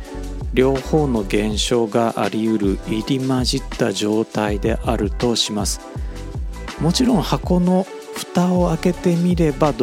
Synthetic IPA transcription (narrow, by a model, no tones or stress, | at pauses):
ɾʲo̞ːho̞ːno̞ɡẽ̞ɰ̃ɕo̞ːɡaʔa̰ɾʲijɯ̟ɾɯ̟iɾʲimaʑit̪ːaʑo̞ːt̪aid̪e̞ʔaɾɯ̟t̪o̞ɕimasɨ̥ | mo̞t͡ɕiɾõ̞ɰ̃hako̞no̞ | ɸɯ̟̥t̪ao̞ake̞t̪e̞mʲiɾe̞bad̪